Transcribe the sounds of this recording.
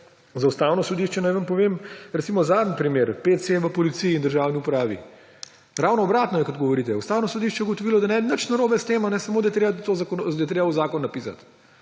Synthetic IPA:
zaust̪aːwnɔsɔd̪iʃt͡ʃɛnajʋənpɔʋeːmɾɛt̪simɔzaːd̪n̩pɾimeɾpet̪seʋəpɔlit̪sijiːnd̪əɾʒawniupɾaːʋḭ | ɾawnɔːbɾaːt̪nɔjɛkɔt̪ɡɔʋɔɾiːt̪ɛust̪aːwnɔsɔd̪iʃt͡ʃɛjɛuɡot̪ɔʋiːlɔd̪anɛnət͡ʃnaɾoːbɛst̪eːmanɛsɐmod̪ajt̪ɾeːbat̪ozakond̪jɛt̪ɾebauzaːkɔnːɐpiːsa̰t̪

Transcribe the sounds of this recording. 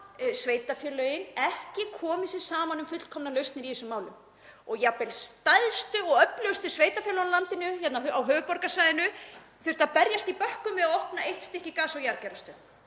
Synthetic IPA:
sveːjt̪afjœːlœɪnɛhcɪkʰɔːmɪsɪðsaːmanʏmfʏt̪lkʰɔmnalœɥst̪nɪɾiisʏmaːwlʏm | ɔɣjapɛlst̪ajðst̪ʏɔɣœplʏɣst̪ʏsveːjt̪afjœːlɔnlant̪ɪnʏçɛt̪naɦawɦœːvʏpɔɾkasajðɪnʏ | θɪɾt̪apɛɾjast̪ipœhkʏmvɪðaðɔhpnaʔejht̪st̪ɪhcɪkaːsɔɣwjaɾcɛːɾast̪ʏ

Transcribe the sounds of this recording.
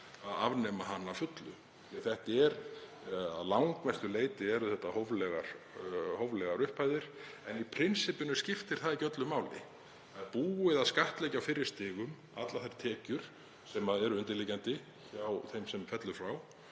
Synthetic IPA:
aðavnɛmaɦanːafʏt̪lʏ | ɛθɛht̪ɛɾ | aðlawŋkmɛst̪ʏleːjt̪ɪɛɾʏθɛht̪ːahovlɛɣaɾ̥howvlɛɣaɾʏhpʰːaːjðɪɾ̥ɛnipʰɾɪnsɪpʏnʏscɪft̪ɪɾ̥θaðicœt̪lʏmːaːwlɪ̰ | aðpuːɪðaðskaht̪lɛːcawfɪɾːɪ̥ɾst̪ɪːɣʏm | at̪laθajɾt̪ʰɛːcʏɾ̥ | sɛmaðɛɾʏʏnt̪ɪɾlicant̪ɪ | çaːwθejmsɛmfɛt̪lʏfɾaw

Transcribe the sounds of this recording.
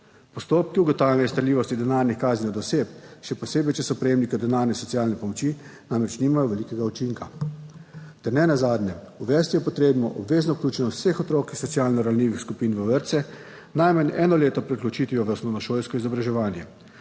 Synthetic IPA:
pɔst̪oːp̚kiuɡɔt̪aːwlʲjɛnɛst̪ɐɾliːʋɔst̪id̪ɛnaːɾnixkaːzninɔd̪ɔseːpʃɛpɔseːbɛjt͡ʃɛsɔpɾɛjeːmnikɛd̪ɛnaːɾnɛsɔt̪sijaːlnɛpɔmɔt͡ʃiːnamɾɛt͡ʃniːmajɔʋɛlikɛɡaut͡ʃiŋka | t̪ɛɾnɛnazaːd̪nɛuʋɛst̪ijɛpɔt̪ɾeːbnɔ̰ʔɔbʋeːznɔwklʲuːt͡ʃɛnɔsexɔt̪ɾoːkixsɔt̪siaːlnɔɾawnʲiːʋixskupiːnʋəʋəɾt̪sɛ | najmənɛːnɔleːt̪ɔpɾɛklɔt͡ʃiːt̪ʋijɔʋəsmɔnɔʃoːlʲskɔizɔbɾaʒɛʋaːnjɛ

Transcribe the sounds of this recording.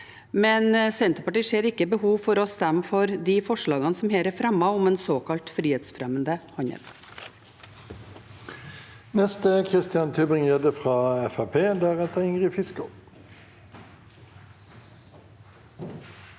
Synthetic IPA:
mɛnsɛnt̪ɾəpɑʈiːʂeːɾɪkːəbəhuːʋfɔɾɔst̪æmfɔɾd̪iːfɔʂɭɑːɡɑnsɔmheːɾəɾfɾɛmɑʋʊmeːnsoːkʰɑlt̪fɾiːeːt̪sfɾɛmənd̪əhɑɲə̰ɾ | nɛst̪əkʰʁɪst̪ɪɑnt̪ʰyːbɪŋjɛːd̪əfʁɑːɛfæpʰeːd̪æːʁɛt̪əʁɪŋʁəfɪskə

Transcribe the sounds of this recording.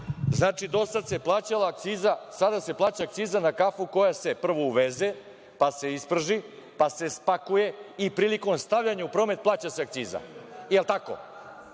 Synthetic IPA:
znaːt͡ʃid̪o̞sad̪se̞plˠaːt͡ɕalaːk̚t̪siːzasad̪ase̞plˠaːt͡ɕaːkt̪siːzanakafuko̞jase̞pr̩ʋouʋeze | pase̞ispr̩ʒipase̞spakuje̞ipɾiːliko̞mst̪aʋʎaɲaupɾo̞ːme̞t̪̚plaːt͡ɕaseakt̪siːza̰jelˠt̪ako̞̰

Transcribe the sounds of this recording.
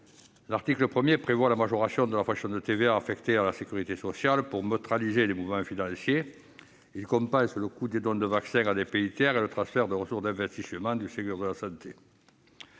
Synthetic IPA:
laʁt̪ikləpχəmjepχevwalamaʒɔʁasjɔ̃d̪əlafaksjɔ̃nd̪ət̪eveaːfɛkt̪ealasekʲyʁit̪esɔsjalpuʁmøt̪χalizelemuvəmɑ̃finɑ̃sje | ilkɔ̃mpɑ̃sələkud̪ed̪ɔ̃d̪əvaksɛ̃ŋad̪epeit̪jɛʁelət̪χɑ̃sfɛʁd̪əʁəsuʁsd̪ɛ̃vɛst̪isəmɑ̃d̪ysek̪yʁd̪əlasɑ̃nt̪ʰe

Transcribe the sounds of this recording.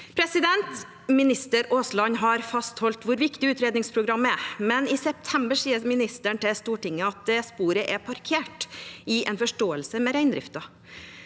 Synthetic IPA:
pʰɾɛsɪd̪ɛnt̪ | mɪnɪst̪əɾoːslɑɲɦɑɾfɑst̪hɔlt̪ʋʊɾʋɪkt̪ɪʉːt̪ɾeːd̪nɪŋspʰɾʊɡɾɑmːɛmɛnɪsɛp̚t̪ʰɛmbəʂiːəɾmɪnɪst̪əɳt̪ʰɛst̪uːʈɪŋːəɑt̪̚d̪ɛspuːɾəʔɛpʰɑɾkʰeːʈɪʔɛnfɔʂʈoːəlsəmɛɾæɪnd̪ɾɪ̰ft̪ɑ

